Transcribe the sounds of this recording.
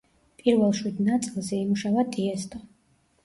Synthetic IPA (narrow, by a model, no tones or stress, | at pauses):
pʼiɾvɛlˠʃwid̪nat̪sʼilˠzɛimuʃavad̪ʼiɛst̪ʼɔ